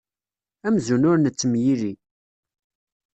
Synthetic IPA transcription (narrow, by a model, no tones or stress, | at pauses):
æmzunʊɾnət͡sːəmjiɾi